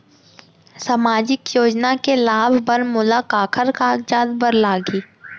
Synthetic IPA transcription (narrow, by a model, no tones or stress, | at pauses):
samaːd͡ʒɪkjoːd͡ʒnakelaːbʱbənmʊlakaːkʰəɾkaːɡd͡ʒaːd̪bəɾlaːɡiː